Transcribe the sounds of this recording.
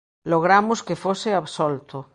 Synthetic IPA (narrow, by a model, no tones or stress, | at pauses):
loɣ̞ɾamoskefoseaβsolt̪o